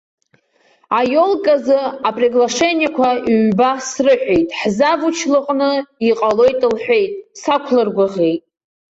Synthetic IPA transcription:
ajo̞lkʼazɨapʼriɡlaʂe̞nijakʷʰaiːbasrɨħʷᶣe̞jtʼħzavut͡ʃʰlɨqʼnɨiqʼalo̞jtʼɨlħʷᶣe̞jtʼsakʷʰlɨrɡʷaʁʲe̞jtʼ

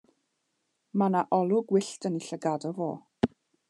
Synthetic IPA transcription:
manaʔɔlˠʊɡwɪɬtəniɬəɡadɔvo̰ː

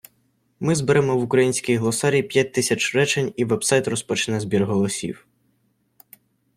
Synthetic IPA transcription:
mɪzbɪɾɛmɔwʊkɾɐjinʲsʲkʲɪjɦlˠɔsɑɾʲipʲjat̚ʲt̪ɪsʲɐt͡ʃrɛt͡ʃenʲiʋɛbsɑjt̪rɔspɔt͡ʃɪnɛzbʲirɦɔlˠɔsʲḭw

